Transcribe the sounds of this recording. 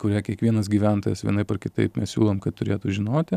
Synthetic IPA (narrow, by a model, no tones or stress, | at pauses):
kʊɾʲiːkʲiɛkʋʲiɛnɐs̬ɡʲiːʋʲænt̪oːjɛsʋʲḭɛnɐɪpɐrkʲɪt̪ɐ̰ɪpmʲɛssʲṵːlˠoːmkɐt̪tʊɾʲeːt̪ʊʒʲɪnoːt̪ʲɪ